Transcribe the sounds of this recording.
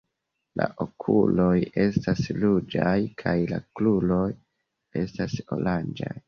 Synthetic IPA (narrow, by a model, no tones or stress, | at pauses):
la̰ʔokʰulo̞je̞staslud͡ʒajkʰajlaklulo̞j | e̞staso̰land͡ʒa̰j